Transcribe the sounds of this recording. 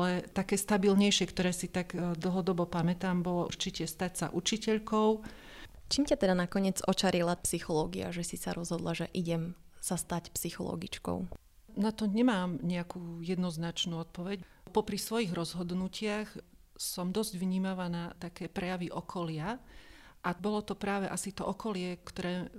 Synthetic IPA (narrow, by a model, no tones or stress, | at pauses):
ʔalɛt̪akɛːst̪abilɲɛjʃɪɛkt̪ɔɾɛːsit̪aɡd̪l̩ˠɦɔd̪ɔbɔpamɛt̪aːmbɔlɔṵɾt͡ʃicɛst̪acsa̰ʔut͡ʃicɛʎkɔʊ | t͡ʃiːmcat̪ɛd̪anakɔɲɪɛd͡zɔt͡ʃaɾilapsixɔlɔːɡia̰ʒɛsisaɾɔzɦɔd̪laʒɛʔiɟɛm | sast̪acpsixɔ̰lɔ̰ɡit͡ʃkɔ̰ʊ | nat̪ɔɲɛmaːmɲɛakuːjɛd̪nɔznat͡ʃnuːɔt̪̚pɔʋɛɟpɔpɾisʋɔjiɣɾɔzɦɔd̪nucʰɪax | sɔmd̪ɔzɟʋɲiːmaʋanat̪akɛːpɾɛjaʋiʔɔkʰɔlɪa | ʔabɔlɔt̪ɔpɾaːʋɛʔasit̪ɔʔɔkɔlɪɛkt̪ɔɾɛː